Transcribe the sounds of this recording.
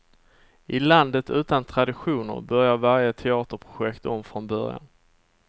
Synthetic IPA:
ɪland̪ət̪ʉ̟ːt̪ant̪ʰɾad̪ɪɧuːnə̰ɾbœɾjaɾvaɾjət̪ʰɛɑːt̪əɾpʰɾʊɧɛkt̪ɔmfɾɔnbœɾja̰n

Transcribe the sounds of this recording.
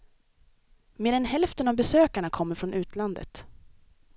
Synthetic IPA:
meːɾɛnɦɛlft̪ənavbɛsøːkaɳakʰɔmːəɾfɾɔnʔʉ̟ːt̪land̪ə̰t̪

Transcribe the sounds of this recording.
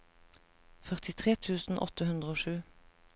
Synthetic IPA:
fœʁt̪ɪt̪ʰʁeːt̪ʰʉːsn̩ʔɔ̰t̪əhʉnd̪ʁəoːʃʉː

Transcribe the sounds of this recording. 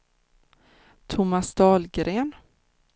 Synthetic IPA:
t̪ʰʊmasd̪ɑːlɡɾeːn

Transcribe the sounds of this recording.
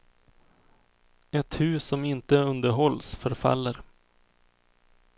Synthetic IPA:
ɛt̪hʉ̟ːsɔmɪnt̪əɵnd̪əɾɦɔlːsfœɾfa̰lːəɾ

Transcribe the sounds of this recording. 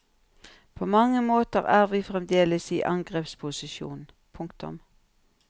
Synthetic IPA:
pʰoːmɑŋəmoːt̪əʁæːʁʋiːfʁɛmd̪eːləsiːʔɑŋɡʁeːpspʰʊsɪʃṵːn | pʰʊŋkt̪ʊ̰m

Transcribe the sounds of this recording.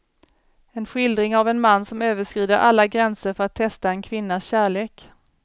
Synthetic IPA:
ɛnɧɪld̪ɾɪŋavɛnmanːsɔmøːvəʂkɾiːd̪əɾʔa̰lːaɡɾɛnsəɾfœɾat̪ʰːɛst̪aɛnkʰvɪnːasɕæːɭeːk

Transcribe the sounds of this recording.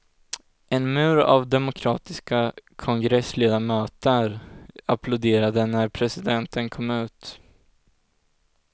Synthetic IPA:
ʔɛnmʉ̟ːɾa̰vd̪ɛmʊkʰɾɑːt̪ɪskakʰɔŋɡɾɛsleːd̪amœːt̪əɾapʰlʊd̪eːɾad̪ənæɾpʰɾɛsɪd̪ɛnt̪ənkʰɔmːʉ̟ːt̪

